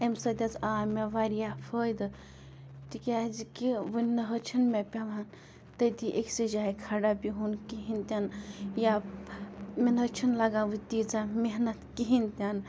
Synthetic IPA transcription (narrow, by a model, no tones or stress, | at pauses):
emsɐd̪ʲɐt͡saːmeʋaɾijapʰəjd̪ | t̪ikʲazikiʋɨnnɐɦət͡ʃʰinmepʲaʋan | t̪əjt̪iʔeksid͡ʒaikʰaɖapiɦunkiɦint̪ʲanja | menət͡ʃʰinlaɡaʋɨt̪id͡zameɦnɐt̪kiɦint̪ʲan